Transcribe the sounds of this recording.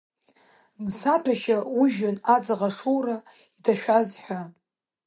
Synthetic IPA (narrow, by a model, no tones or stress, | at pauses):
nsapʰaʃauʒᶣanad͡zaʁaʂuwra | itʰaʃᶣazħʷᶣa